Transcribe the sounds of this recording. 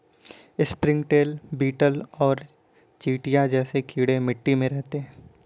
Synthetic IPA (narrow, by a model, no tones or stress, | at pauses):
ɪspɾɪ̃ŋɡʈeːlbiːʈəlɔːɾ | t͡ʃiːʈijad͡ʒɛːsekʰiːɽemɪʈːimẽɾɛɦt̪eɦɛ̃ː